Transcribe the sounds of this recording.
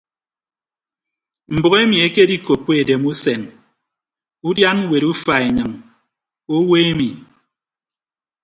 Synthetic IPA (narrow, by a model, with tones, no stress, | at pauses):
m̩˨bo˨ɣe˦mi˨e˦ke˦di˦ko˨pːe˦˨de˨mu˦se˨n | u˦dja˦n˦we˨ɾu˦fa˨e˨ɲɨ˨ŋ | o˦we˦e˦mi˨